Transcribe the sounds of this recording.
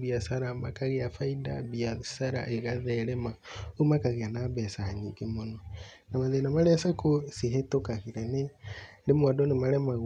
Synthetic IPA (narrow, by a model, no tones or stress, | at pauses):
biasaɾamakaɣeafaidaβiasaɾa̰ʔeɣaðɛɾemaumakaɣeanaβɛsahaɲikemono | namaðenamaɾɛsakosiɦetokaɣiɾenedemwadonemaɾɛma